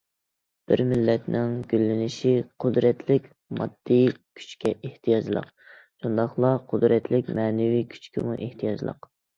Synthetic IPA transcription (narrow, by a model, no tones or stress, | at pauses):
b̥ɪɾmɪlːɛt̪nɪŋɡʲylːɪnɪʃiqʰʊd̪ɾɛt̪ʰlɪkʲ | mɑ̰d̪̥ːijkʲʰy̥t͡ʃkʲʰɛʔeht̪ʰijɑd͡ʒlˠə̰q | ʃund̪ɑχlˠɑqʰʊd̪ɾɛt̪lɪkʲmɛːnɪvikʲʰy̥t͡ʃkʲʰɪmuʔeht̪ʰijɑd͡ʒlˠə̰q